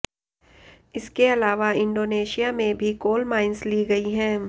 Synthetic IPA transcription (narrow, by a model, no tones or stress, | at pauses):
ɪskeɐlaːʋaɪ̃ɳɖoːneːʃijamẽbʱikoːlmaːɪnsliɡɐiɦɛ̃ː